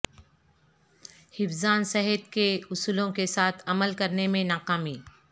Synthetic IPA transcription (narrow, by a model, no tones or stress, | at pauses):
hɪfzaːnsɛɦɪt̪keʊsuːlõkesaːt̪ʰɐməlkɐɾnemẽnaːkaːmiː